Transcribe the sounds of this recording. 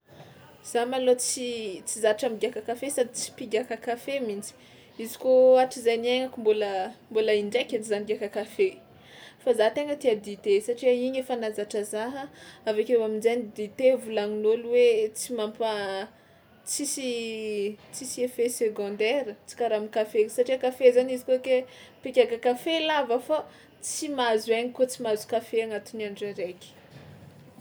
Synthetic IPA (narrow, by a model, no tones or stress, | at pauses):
z̥amalot͡sit͡sizaʈ͡ʂamiɡiakakafesad̪it͡si̥piɡʲakakafemind͡zi̥ | izi̥koaʈ͡ʂizajnieŋakumboləmbolaiɳɖ͡ʐekʲaizaniɡakakafe | fazat̪eŋət̪iad̪it̪esaʈ͡ʂiaiɲefanazaʈ͡ʂəzaɦəavekewaminzanid̪it̪evulaŋinolwet͡simampa | t͡sisi | t͡sisiefeseɡɔ̃nd̪ɛɾət͡si̥kaɾamikafesaʈ͡ʂiakafezanizikokepekʲakakafelavəfa | t͡simazueɲikot͡simazu̥kafeaŋat̪uniaɳɖ͡ʐaɾekʲi̥